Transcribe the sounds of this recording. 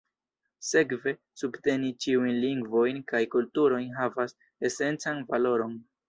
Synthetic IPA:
se̞kve̞ | subte̞nit͡ʃiujnliŋɡvo̞jnkajkultuɾo̞jnɦavas | e̞se̞nt͡sanvalo̞ɾo̞n

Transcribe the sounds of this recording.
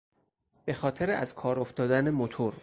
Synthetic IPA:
b̥e̞xɒːt̪ʰeɾeʔæ̰zkʰɒːɾoft̪ɒːd̪ænemot̪ʰoɾ

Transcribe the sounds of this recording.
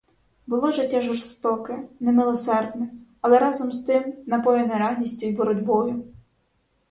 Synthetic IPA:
bʊlˠɔʒɪtʲːaʒɔrst̪ɔkɪnɛmɪlˠɔsɛrd̪ʲnɛɐlˠɛɾɑzɔmst̪ɪmnɐpɔjɛnɛɾɑɦnʲisʲtʲijbɔɾɔdʲbɔjʊ

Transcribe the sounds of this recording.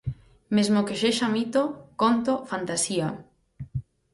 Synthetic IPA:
mezmokeʃeʃamit̪okont̪ofant̪asia

